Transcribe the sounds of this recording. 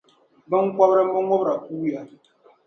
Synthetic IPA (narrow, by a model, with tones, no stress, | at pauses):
bə˦ŋ̩˦kʷa˦bɾɛ˦m̩˦bo˦ŋ˦o˦bɾa˨ku˦ja˨